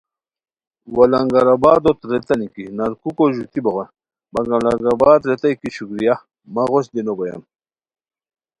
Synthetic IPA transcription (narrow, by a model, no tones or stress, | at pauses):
wɐlɐŋɡɐɾɐbaːd̪ot̪ɾet̪ɐnikinɐɾkukoʑut̪iboɣa | bɐŋɡɐlɐŋɡabaːd̪ɾet̪ɐjkiɕukɾija | mɐʁosd̪inobojɐ̰m